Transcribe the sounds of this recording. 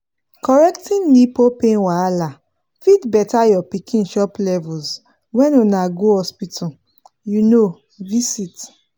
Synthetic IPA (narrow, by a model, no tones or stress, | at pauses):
kɔɹɛk̚tĩnːipopẽnwaala | fitbɛtajɔpikʰĩnʃɔplɛvulz | wɛ̃nunaɡohɔspitʰɔ | juno | visit